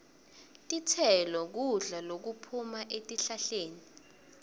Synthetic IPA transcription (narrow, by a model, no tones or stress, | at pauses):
tʼitʰɛlɔk̬uɮalok̬upʰumaʔetʼiɬaɬeːni